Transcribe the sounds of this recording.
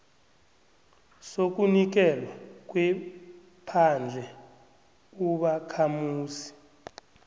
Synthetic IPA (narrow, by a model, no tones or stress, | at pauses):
sok̬ʼunik̬ɛlwak̬ʼwɛ | pʰand͡ɮʱɛ | uɓakʰamuːsi̥